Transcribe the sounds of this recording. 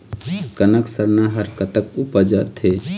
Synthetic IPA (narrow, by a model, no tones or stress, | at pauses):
kənəksəɾnaɦəɾkət̪əkupəd͡ʒət̪ʰe